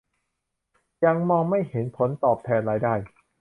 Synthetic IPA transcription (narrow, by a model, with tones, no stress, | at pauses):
ja˧ŋmɔː˧ŋma˥˩jhe˩˦npʰo˩˦nt̪ɔː˨˩p̚t̪ʰɛː˧nɾaː˦˧˥jdaː˥˩j